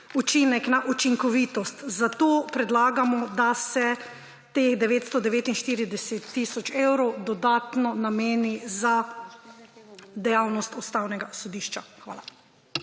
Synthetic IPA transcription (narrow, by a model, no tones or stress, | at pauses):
ut͡ʃinɛknaʔut͡ʃiŋkɔʋiːt̪ɔst̪zat̪oːpɾɛd̪laːɡamɔd̪asɛ | t̪eɣd̪ɛʋeːt̪st̪ɔd̪ɛʋeːt̪inʃt̪iːɾid̪ɛset̪ːisɔt͡ʃewɾɔwd̪ɔd̪aːt̪nɔnameːniza | d̪ɛjawnɔst̪ɔst̪awnɛɡasɔd̪iːʃt͡ʃaxʋa̰ːla